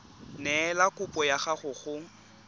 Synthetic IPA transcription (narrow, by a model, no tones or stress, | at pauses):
nɛːlakʼʊpʼɔjaχaχʊχʊŋ̩